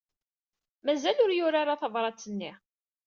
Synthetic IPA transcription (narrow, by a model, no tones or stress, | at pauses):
mæzælʊɾjʊɾaɾaθəvɾˤɑt͡sːənːi